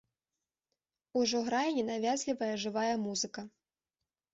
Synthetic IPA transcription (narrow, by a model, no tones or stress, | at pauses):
uʐɔɣɾajɐnʲɛnavʲazʲlʲivɐjɐʐɨvajɛmuzɨkɐ